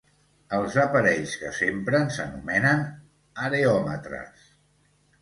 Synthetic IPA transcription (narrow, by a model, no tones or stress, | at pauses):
əlˠzəpəɾɛʎskəsempɾənsə̰numɛnən | əɾeɔmə̰t̪ɾə̰s